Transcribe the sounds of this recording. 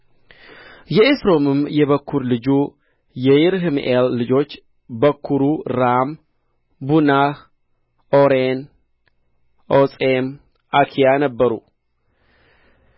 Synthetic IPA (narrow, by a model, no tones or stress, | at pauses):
jɛʔesɾo̞mɨmjɛβəkʰːuɾlɨd͡ʒu | jɛjɪɾɦɨmʔelːɨd͡ʒo̞t͡ʃː | bəkʰːuɾuɾam | bunah | oɾen | ʔosʼem | ʔakʰijanəbːəɾṵ